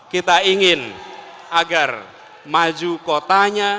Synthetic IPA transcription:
kit̪aiŋɪn | aɡar | mad͡ʒukot̪aɲa

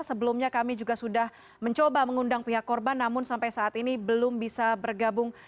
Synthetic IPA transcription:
səbəlʊmɲakamid͡ʒuɡasudah | məɲt͡ʃobaməŋundaŋpiɦakːɔrbanːamʊnsampajsaːt̪inibəlʊmbisabərɡabʊŋ

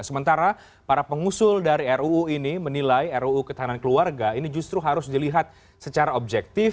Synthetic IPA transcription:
səmənt̪aɾa | paɾapəŋusʊldaɾiɛruuinimənilajɛruːkət̪aɦanankəluarɡainid͡ʒust̪ɾuɦaɾʊsdiliɦat̪̚ | sət͡ʃaɾaob̚d͡ʒɛk̚t̪ɪf

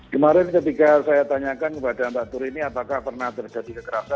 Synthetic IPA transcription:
kəmaɾɪnt̪əpikasajat̪aɲakankəpadant̪aʔt̪uɾiniapakahpərnaht̪ərd͡ʒa̤dikəkəɾasan

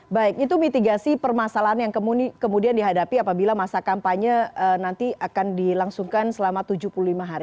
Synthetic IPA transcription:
baɪkit̪̬umit̪iɡasipərmasalaɦanjaŋkəmukəmudiandiɦadapiapabilamasakampaɲəənant̪iʔakandilaŋsuŋkansəlamat̪ud͡ʒuhpululimaɦaɾi

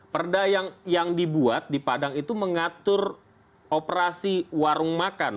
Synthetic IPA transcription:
pərdajaŋjaŋdibuat̪̚dipadaŋit̪uməŋat̪ʊr | opəɾasiwaɾʊŋmakan

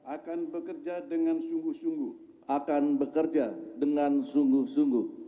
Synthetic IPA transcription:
ʔakanbəkərd͡ʒadəŋansuŋɡuhsuŋɡuh | akanbəkərd͡ʒadəŋansuŋɡʊhsuŋɡuh

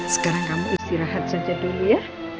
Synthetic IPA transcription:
sə̥kaɾaŋkamuʔist̪iɾaɦat̪̚sḁd͡ʒad̪̥oluja

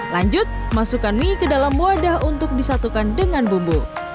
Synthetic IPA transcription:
laɲd͡ʒʊt̪̚masukanmikədalamːuadaɦunt̪ʊk̚disat̪ukandəŋanbumbul

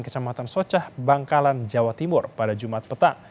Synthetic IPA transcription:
kə̥t͡ʃamat̪ansot͡ʃahbaŋkaland͡ʒawat̪imʊrpadad͡ʒumat̪̚pət̪aŋ

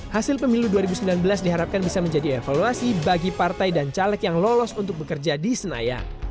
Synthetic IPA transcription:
hasɪlpəmiluduaɾibusəmbilanbəlasdiɦaɾap̚kanbisaməɲd͡ʒadiefaluasibaɡipart̪ajdant͡ʃalɛk̪jaŋlɔlɔsunt̪ʊk̚bəkərd͡ʒadisəna̰ja̰

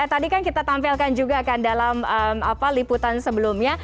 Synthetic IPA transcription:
t̪adikankit̪at̪ampilkand͡ʒuɡakandalaməmapaliput̪ansəbəlumɲa

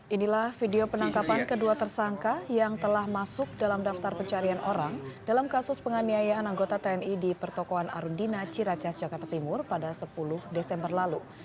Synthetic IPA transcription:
ʔinilahfideopənaŋkapankəduat̪ərsaŋkajaŋt̪əlahmasʊk̚dalamdaft̪arpəɲt͡ʃaɾianʔoɾaŋdalamkasʊspəŋaniajaːnaŋɡot̪at̪eɛnidipərt̪okoana̰ɾundinat͡ʃiɾat͡ʃasd͡ʒakart̪at̪imʊrpadasəpulʊhdesɛmbərlalu

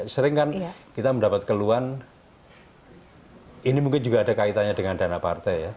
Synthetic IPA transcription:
səɾɪŋkankit̪aməndapat̪̚kəluan | inimuŋkɪnd͡ʒuɡaːdakait̪aɲadəŋandanapa̰rt̪ɛja

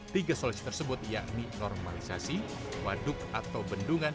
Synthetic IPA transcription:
t̪iɡasolusi̥t̪ərsəbʊt̪̚jaʔninɔrmalisasi | wadʊk̚at̪awbənduŋan

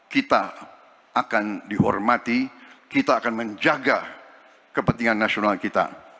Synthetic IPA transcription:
kit̪a | akandiɦɔ̰rmat̪ikit̪aːkanməɲd͡ʒaɡa | kəpənt̪iŋanːasionalkit̪a̰

